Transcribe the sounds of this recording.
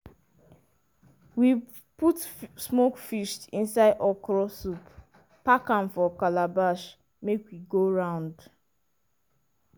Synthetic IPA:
wi | putsmokfiʃtĩnsaɪdʔɔkɾɔsupː | akãnfɔkalabaʃ | mekwiɡoɹãʊ̃nd

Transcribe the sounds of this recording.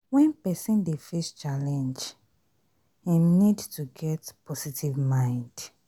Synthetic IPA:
wɛ̃npɛsɔ̃ndefest͡ʃalɛ̃nd͡ʒ | ãnidtuɡɛtpɔsitʰivmãɪ̃nd̥

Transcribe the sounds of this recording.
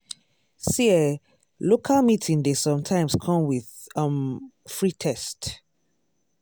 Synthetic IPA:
siɛ | lokʰalmitʰĩŋdesɔ̃mtʰãɪ̃mskʰɔ̃mwiðʌ̃mfɹitʰɛst

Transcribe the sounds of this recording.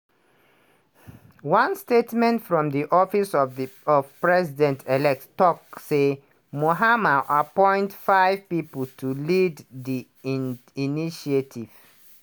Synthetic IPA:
wãnstetmɛ̃ntfɹɔ̃mðiʔɔfisɔɔv̥pɹɛzidɛ̃ntʰelɛk̚ttɔkse | moɦamaʔapɔ̃ɪ̃ntfaɪv̥pipətʰulidði | iniʃietʰiv̥

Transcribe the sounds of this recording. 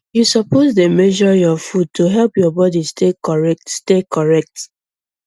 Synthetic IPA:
jusɔpʰozdemɛʒɔjɔfud̚tʰuɦɛlˠpjɔbɔdistekɔɹɛktstekʰɔɹɛk̚t

